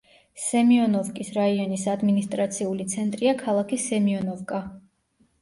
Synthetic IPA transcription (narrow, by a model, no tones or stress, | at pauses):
sɛmiɔnɔvkʼisɾaiɔnisad̪minist̪ʼɾat̪sʰiulit̪sʰɛnt̪ʼɾiakʰalˠakʰisɛmiɔnɔvkʼa